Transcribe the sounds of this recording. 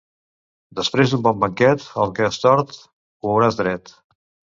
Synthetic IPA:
d̪əspɾezd̪umbɔmbəŋkɛt̪əlˠkəəst̪ɔɾt̪ | uəwɾazd̪ɾɛt̪

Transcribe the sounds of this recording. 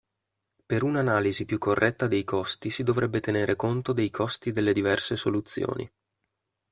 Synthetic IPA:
peɾunanaːlizipjukʰːorːʔɛt̪ːad̪ejkʰɔst̪isid̪ovɾɛbːet̪eneːɾʔekont̪od̪ejkʰɔst̪id̪elːed̪ivɛrsesolut̪sːjo̰ːnḭ

